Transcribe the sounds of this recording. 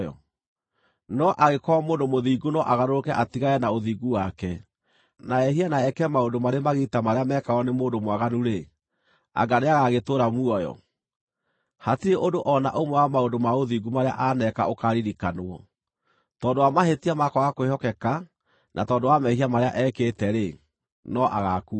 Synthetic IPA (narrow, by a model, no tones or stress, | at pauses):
ɔ̰ | nɔʔaɣekɔmoːndomoðiːɡunɔʔaɣanoɾokɛʔatiɣaɛnaoðiɡuwakɛ | naɛhianaɛkɛmaondomaɾemaɣitamaɾeamɛːkaɔnemoːndomwaɣanuɾe | a̰ɡaneaɣaɣetoːɾamuɔjɔ̰ | hatiɾeʔondoʔɔnaʔomwɛwamaondomaoðiɡumaɾea̰ʔanɛka̰okaɾiɾikanoɔ | tɔːndowamahetiamakɔɣakoehɔkɛka | nʔa̰tɔːndowamɛhiamaɾea̰ʔɛːketɛɾe | nɔʔa̰ɣaku